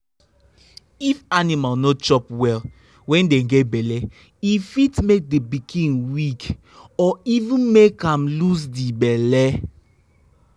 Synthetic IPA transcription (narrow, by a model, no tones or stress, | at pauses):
ifanimalnot͡ʃɔpwɛl | wɛ̃ndeɡɛtbɛlɛ | ifitmek̚debikʰĩnwik | ɔivũnmekãmlus̬dibɛlɛ